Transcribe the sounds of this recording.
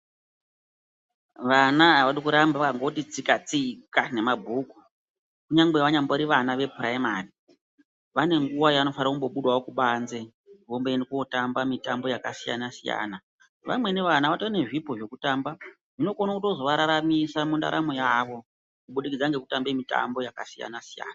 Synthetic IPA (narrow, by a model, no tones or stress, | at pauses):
ʋanaaʋaɗikuɾambakaŋɡotit͡sikat͡sikane̞mabʱuku̥ | kuɲaŋɡe̞ʋaɲamboɾiʋanaʋe̞puraimari | ʋane̞ŋɡuwajaano̞faɾakumbo̞ɓuɗwawokuɓanze | ʋombenekuotambamitambo̞jakasija̰nasija̰ːna | ʋamwe̞neʋanaʋatoane̞ʐipoʐe̞kutaːmba | ʐino̞konakuto̞zo̞ʋaɾaɾamisamunda̰ɾa̰mojaʋo̞ | kuɓuɗikid͡zaŋɡekutambe̞mita̰mbo̞jaka̰sija̰nasija̰ːna